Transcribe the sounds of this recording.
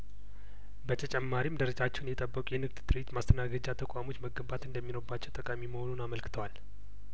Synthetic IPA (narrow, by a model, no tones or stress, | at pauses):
bət̪ʰət͡ʃʼɛmːaɾimd̪əɾəd͡ʒat͡ʃːɛwnjɛt̪ʼəbːəkʷʼjɛnɨɡt̪t̪ʰʼɨɾet̪mast̪ʰənaɡəd͡ʒat̪ʰəkʷʼamo̞t͡ʃːməɡəbat̪ɨnd̪əmːinoɾbat͡ʃːɛwt̪ʼəkʼamiməho̞nunaməlkʰɨ̥t̪ʰəwal